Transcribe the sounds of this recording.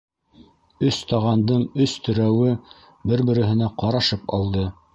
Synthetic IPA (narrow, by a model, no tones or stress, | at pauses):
ɵst̪ɑʁɑnd̪ɤɴɵst̪ɵ̆ɾæwɘ | bɘɾbɘ̆ɾɘ̆ɦɘ̆næqɑɾɑʃɤpɑ̰lˠd̪ɤ